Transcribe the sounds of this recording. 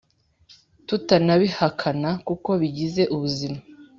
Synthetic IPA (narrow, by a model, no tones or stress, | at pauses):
tutanaβihakʰanakuko̞βiɟize̞ʔuβuzima